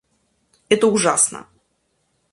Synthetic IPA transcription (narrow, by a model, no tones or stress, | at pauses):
ɛt̪əʊʐasnə̰